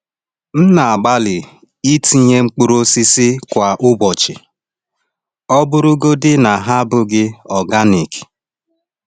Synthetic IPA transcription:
n̩˦na˨a˨ɡ͡ba˦lɪ˨ | i˦ti˨ɲe˦ŋ͡m̩˦k͡pʊ˦ɾo˦si˦sɪ˦kʷa˨ʔʊ˦bɔ˨t͡ʃɪ˨ | ɔ˦bʊ˦ɾʊ˦ɡo˦dɪ˦na˨ɦa˦bʊ˦ɡɪ˦ɔ˨ɡa˦ni˨k

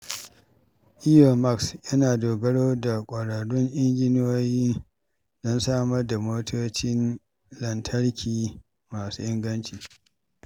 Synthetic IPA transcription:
ʔɪ˦jo˨ma˦ksjɐ˦naː˨doː˨ɡɐ˦ɽoː˦da˨kʷʼɐ˨ɽa˨ɽʊ˦ŋʔɪ˦ŋɡʲɪ˦no˦jiː˦ | d̥ɔ˦nsaː˦mɐ˦rda˨moː˦tʰoː˦t͡ʃɪ˦n | lɐ˨ntʰɐ˦ɽkʲʰiː˨ | maː˨su˦ʔɪ˦ŋɡɐ˦nt͡ʃiː˨

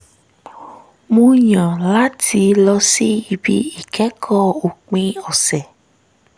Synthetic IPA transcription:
mũ˧ɲã˨la˦tʰi˧lɔ˧si˦i˧bḭ˧i˨kɛ˨˦kʰɔ˦˨o˨k͡pĩ˧ɔ˨sɛ˨

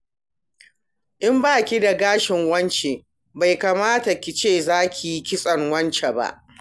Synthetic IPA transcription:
ʔɪ˦mbaː˦˨kʲi˦da˨ɡaː˦ʃɪ˨ŋwɐ˦nt͡ʃe˨ | ba˨jkaː˨maː˦ta˨kʲɪ˨t͡ʃeː˦˨zaː˦kʲi˨ji˦kʲɪ˦sʼɐ˨ŋwɐ˦nt͡ʃe˨ba̰˦ʔ

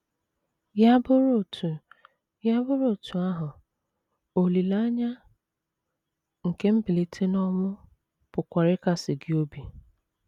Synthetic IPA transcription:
ja˦bʊ˦ɾo˦˨tʰu˨ | ja˦bʊ˦ɾo˦˨tu˨a˦ɦʊ˨ | o˨li˨la˦ɲa˦ | ŋ̩˨ke˦m̩˦bɪ˨li˨tʰe˦nɔ˦mʊ˦ | pʊ˨kʷa˨ɾɪ˦ka˦sɪ˨ɡɪ˦o˦bi˨

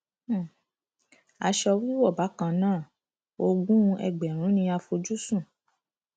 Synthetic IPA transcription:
a˧ʃɔ˧wi˦wɔ˦˨ba˨˦kã˧nãː˦˨ | o˧ɡũ˦˧ɛ̰˧˨ɡ͡bɛ˨ɾ̃ũ˨˦nĩ˧a˧fo˧d͡ʒu˦sũ˦˨

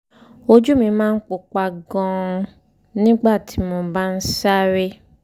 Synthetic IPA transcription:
o˧d͡ʒu˦mĩ˧˦mãː˦˧n̩˦k͡po˧k͡pa˧ɡɔ̃˧ | nĩ˦ɡ͡ba˦˨ti˨˦mɔ̃˧ba˦n̩˦sa˦ɾe˦

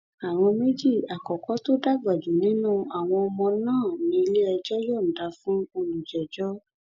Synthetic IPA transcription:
a˨w̃ɔ̃˧me˦d͡ʒi˦˨a˨kɔ˨kɔ˨˦to˦da˦˨ɡ͡ba˨d͡ʒu˨nĩ˦nũ˦a˨w̃ɔ̃˧ɔ˧mɔ̃˧nãː˦˨nĩ˧˦˧le˦ɛ˧d͡ʒɔ˦jɔ˦˨n̩˨da˨˦fũ˦o˧nũ˨d͡ʒɛ˨d͡ʒɔ˦

